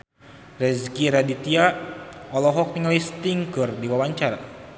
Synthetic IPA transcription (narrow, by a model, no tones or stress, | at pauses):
rɛzkiɾadit̪iaɔlɔɦɔk̚t̪iŋlist̪iŋkərdiwawaɲt͡ʃaɾa